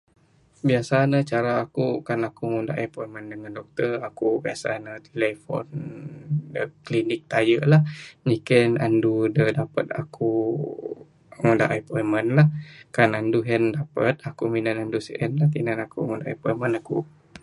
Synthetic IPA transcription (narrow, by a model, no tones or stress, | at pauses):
biasanət͡ʃaɾaːkukanakuŋunda̰ʔapɔiməndəŋandɔk̚t̪ərakubiasa̰nət̪elɛfɔ̰n | dəklinɪk̚t̪ajəʔlahɲikənandudədapət̪̚a̰kʰu | ŋunda̰ʔajpɔimənlahkananduɦɛndapət̪̚akuminanandusiʔɛnlaht̪inanakṵŋundaʔa̰pɔimənaku